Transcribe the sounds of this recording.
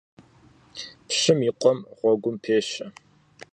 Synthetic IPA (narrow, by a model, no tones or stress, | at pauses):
pɕɪmiqʷɔmʁʷɔɡʷʊmpʰeːɕɐ